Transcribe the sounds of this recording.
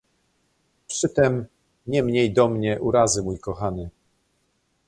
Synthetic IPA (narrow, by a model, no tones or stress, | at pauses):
pʂɘt̪ɛm | ɲɛmɲejd̪ɔmɲɛʔuɾazɘmujkɔxanɘ